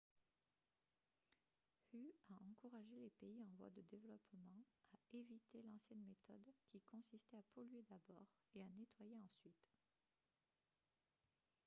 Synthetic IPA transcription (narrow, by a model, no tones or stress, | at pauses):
hyaʔɑ̃kuʁaʒelepeiɑ̃vwa̰d̪əd̪evlɔpmɑ̃ | aevit̪elɑ̃sjɛnmet̪ɔd̪kʲikɔ̃sist̪ɛapʰɔlɥed̪abɔːʁ | eanet̪wajeɑ̃sɥit̪